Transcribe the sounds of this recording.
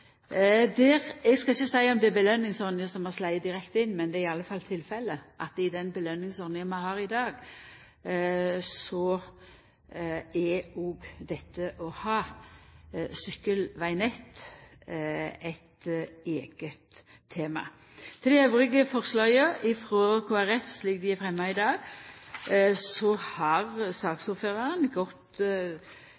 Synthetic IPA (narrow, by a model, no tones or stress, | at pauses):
d̪ɛːʁɛɡskɑlɪçːəsæɪɔmd̪ɛæbəlœnːɪŋsɔʁnɪəsɔmɑslæɪəd̪ɪʁɛkt̪əɪnːmɛnd̪ɛːɪɑlːəfɑlːt̪ʰɪlfɛlːəʔɑt̪ɪd̪ɛnbəlœnːɪŋsɔɾnɪənmæhɑːʁɪd̪ɑːɡ | sɔ | ɛoːɡd̪ɛt̪ʰːəʔɔhɑː | sʏkːəlʋæɪnɛt̪ | ɛt̪eːɡ̥ət̪ʰː | eːmɑ̰ | t̪ʰɪld̪ɛœʉʁɪɡəfɔʁslɑːəɪfʁoːkʰoːæʁɛfsliːk̚d̪ɪæfʁɛmːɑɪd̪ɑːɡ | sɔhɑʁsɑːɡsɔføːʁɑʁənɡɔt̪